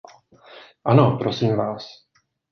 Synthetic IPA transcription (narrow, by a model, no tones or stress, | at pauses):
ʔanopɾosiːmvaːs